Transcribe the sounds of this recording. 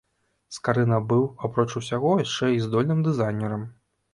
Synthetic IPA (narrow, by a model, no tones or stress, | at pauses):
skaɾɨnɐbɨwapɾɔt͡ʂusʲaɣɔjaʂt͡ʂɛizd̪ɔlʲnɨmd̪ɨzajnʲɛɾɐm